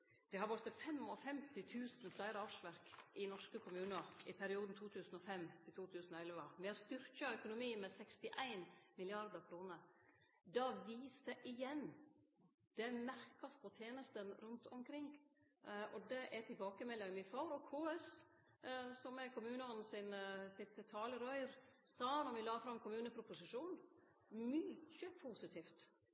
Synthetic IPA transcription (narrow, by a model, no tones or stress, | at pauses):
d̪̥ɛhɑɾʋɔɾt̪əfɛmɔfɛmt̪ɪt̪ʰʉːsn̩flæɪɾəɑːʋʂʋæɾkʔɪnɔʂkəkʰʊmʉːnəɾɪpʰæɾɪuːd̪n̩t̪ʰuːt̪ʰʉːsn̩ɔfɛmːt̪ʰɪlt̪uːt̪ʰʉːsən̩ɔɛlʋəmɛɔst̪ʏɾkəœkʊnʊmiːmɛsɛkst̪ɪʔæɪnmɪlɪɑɾd̪əɾkʰɾuːnəɾ | d̪ɑːʋiːsəʔɪjɛnː | d̪̥ɛæmæɾkɑspʰɔt̪ʰjeːnəst̪ənɾʉnt̪ʰɔmkʰɾɪŋ | ʔɔd̪ɛʔɛt̪ʰɪlbɑːkəmɛlːɪŋmɪfɑːɾɔkʰːoːɛs | sɔmɛkʰʊmʉːnəɔn̩ːsɪnsɪt̪t̪ʰːɑːləɾɔʏɾsɑːɑnɔmʋɪlɑːfɾɑmkʰʊmʉːnəpʰɾʊpʊsɪʂuːn | myːçəpʰuːsɪt̪ʰiːft̪